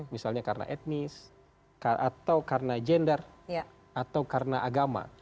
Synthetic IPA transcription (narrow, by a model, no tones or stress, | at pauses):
misalɲakaɾna̰ʔɛt̪̚nis | kaʔat̪awkarənad͡ʒɛndərj | at̪awkarənaʔaɡama̰